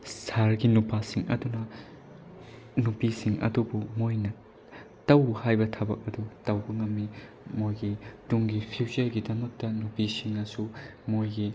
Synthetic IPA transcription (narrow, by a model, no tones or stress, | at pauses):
saɾɡinupasiŋʔɐ̰dunɐ | nupisiŋʔɐ̰dubumojnɐ | tɐwhajbɐtʰɐbɐ̰k̚ɐdutɐwbɐŋɐmːi | mojɡituŋɡipʰiwzɐɾɡidɐmɐk̚tɐnupisiŋnɐsumojɡi